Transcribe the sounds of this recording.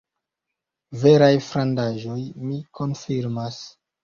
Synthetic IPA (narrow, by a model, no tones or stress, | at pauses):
veɾajfɾandaʒo̞jmikʰo̞nfiɾmas